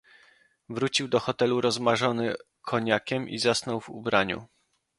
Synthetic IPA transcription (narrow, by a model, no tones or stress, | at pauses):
vɾut͡ɕiwd̪ɔxɔt̪ɛluɾɔzmaʐɔnɘ | kʰɔɲakʲɛmḭzasnɔwvṵbɾaɲṵ